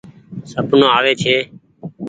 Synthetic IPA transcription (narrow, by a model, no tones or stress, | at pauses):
səpnõːaːʋeːt͡ʃʰeː